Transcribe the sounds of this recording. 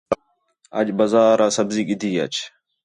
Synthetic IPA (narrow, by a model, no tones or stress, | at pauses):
ə̰d͡ʒbəzaːɾaːsəbziːɠɪd̪ʱiːə̰t͡ʃ